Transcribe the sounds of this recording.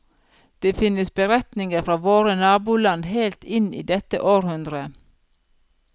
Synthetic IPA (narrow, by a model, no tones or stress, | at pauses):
d̪̥eːfɪnəsbəɾɛt̪nɪŋəɾfɾɑːʋoːɾənɑːbuːlɑnheɪlt̪ɪnḭːd̪ɛt̪ə̰ʔoːɾhʉnd̪ɾə